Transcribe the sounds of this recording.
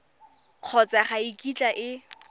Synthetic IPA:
q͡χʰɔt͡sʼaχaikʼit͡ɬʼaʔɪ

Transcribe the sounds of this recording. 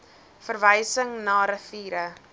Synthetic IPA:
fərvəjsəŋnɑːɾəfiːɾə

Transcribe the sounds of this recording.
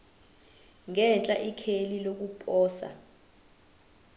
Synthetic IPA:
ŋɛnt͡ɬʼaʔikʰelilok̬upʼɔːsa̰

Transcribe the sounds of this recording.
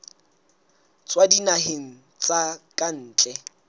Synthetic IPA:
t͡sʼwadinaɦeŋ̩ | t͡sʼakʼan̩ːt͡ɬʼɛ

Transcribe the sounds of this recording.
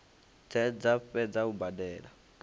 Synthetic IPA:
d͡zɛd͡zaɸɛd͡zaubadɛːla

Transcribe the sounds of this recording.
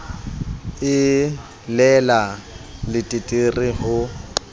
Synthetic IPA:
ɪ | lɛlalɪtʼitʼirɪɦʊ

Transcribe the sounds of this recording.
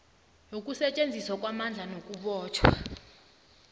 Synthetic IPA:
jok̬ʼusɛt͡ʃʼend͡zʱiswak̬ʼwamand͡ɮʱanok̬ʼuɓɔːt͡ʃʰwa

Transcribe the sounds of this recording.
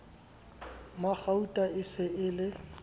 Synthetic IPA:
mak͡xautʼaɪsɪʔɪlɪ

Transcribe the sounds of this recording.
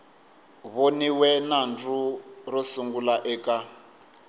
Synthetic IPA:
βoniwɛnand͡zurɔsuŋɡulaʔɛːka

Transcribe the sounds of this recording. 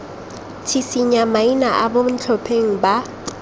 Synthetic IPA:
tʰisiɲamainaʔabom̩t͡ɬʰɔpʰeŋ̩ba

